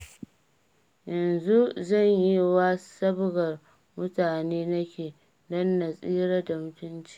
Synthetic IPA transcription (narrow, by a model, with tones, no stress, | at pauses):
jɐ˨nzu˦zɐ˦˨ɲji˦waː˦sɐ˦bɡɐ˨r | mʊ˦taː˨neː˦nɐ˦kʲeː˨ | dɔ˦nːa˨sʼiː˦ɽa˦da˨mʊ˦tʊ˦nt͡ʃi̥ː˦